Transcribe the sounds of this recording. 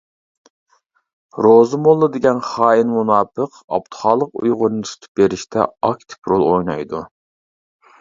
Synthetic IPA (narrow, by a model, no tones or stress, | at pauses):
ɾozɨmolˠːɨd̪ɪɡʲɛnχɑːinmunɑːpʰəq | ɑ̰pt̪ʰɨ̥χɑːlˠəqṵjʁʊɾnɨsu̥t̪ʰɨ̥p̚beɾɪʃt̪ʰɛ̰ɑkʲt̪ʰɪ̥pɾolˠojnɑ̰jd̪u